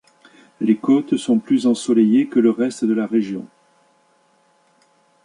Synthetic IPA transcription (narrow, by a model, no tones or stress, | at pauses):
lekɔt̪sɔ̃plyzɑ̃sɔlejekələʁɛst̪d̪əlaʁeʒjɔ̃